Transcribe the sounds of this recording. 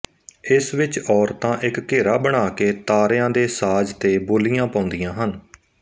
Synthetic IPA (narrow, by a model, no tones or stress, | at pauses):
ɪsʋɪt͡ʃɔːɾt̪ãːʔɪkːeːɾaːbəɽ̃aːkeːt̪aːɾjãːd̪eːsaːd͡ʒt̪eːboːlijãːpãːnd̪ijãːɦən